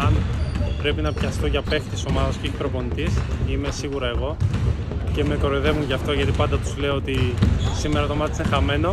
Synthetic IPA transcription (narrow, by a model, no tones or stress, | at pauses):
ɐnpɾepinɐpçɐst̪o̞ʝɐpe̞xt̪iso̞mɐðɐscipɾo̞po̞nit̪isime̞siɣuɾɐe̞ɣo̞ | ce̞me̞ko̞ɾoiðe̞vunʝɐft̪o̞ʝɐt̪ipɐnd̪ɐt̪uzle̞oot̪isimeɾɐt̪omɐt̪isxɐme̞no̞